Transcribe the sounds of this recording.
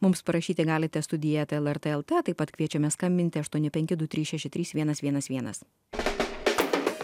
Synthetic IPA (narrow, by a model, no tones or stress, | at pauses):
mʊmspɐɾɐʃʲiːt̪ʲɪɡɑːlʲɪt̪ʲɛst̪ʊd̪ʲɪjɛt̪ɛlˠɛɾt̪ɛɛlˠt̪ɛt̪ɐɪpɐt̪kʋʲiɛt͡ʃʲɛmʲɛskɐmʲbʲɪnʲt̪ʲɪɐʃt̪uɔnʲɪpʲɛŋʲkʲɪd̪ʊt̪ʲɾʲiːsʃʲæʃʲɪt̪ɾʲiːsʋʲiɛnɐsʋʲiɛnɐsʋʲiɛnɐ̰s